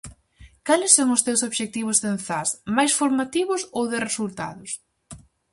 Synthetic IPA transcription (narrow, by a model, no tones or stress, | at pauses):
kalɪsːoŋʊst̪ewsoβʃek̚t̪iβ̞ʊzðen̟θasmajsfoɾmat̪iβʊsowðɪresult̪a̰ðʊs